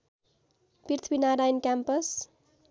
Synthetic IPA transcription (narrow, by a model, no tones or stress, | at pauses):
pirt̪ʰbinaɾajnkʲampəs